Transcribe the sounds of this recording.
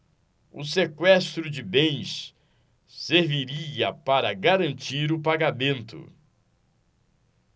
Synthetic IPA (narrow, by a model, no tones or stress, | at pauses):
ʊ̰sekwɛst̪ɾʊd͡ʒɪbẽj̃s | seɾviɾiɐpaɾɐɡaɾɐ̃nt͡ʃiɾʊpaɡamẽnt̪ʊ̰